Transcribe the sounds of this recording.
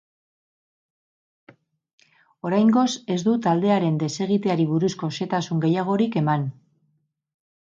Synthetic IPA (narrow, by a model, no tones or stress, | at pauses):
o̞ɾajŋɡo̞se̞zd̪ut̪ald̪e̞aɾe̞nd̪e̞se̞ɣ̞it̪e̞aɾiβuɾusko̞se̞t̪asuŋɡe̞jaɣ̞o̞ɾike̞man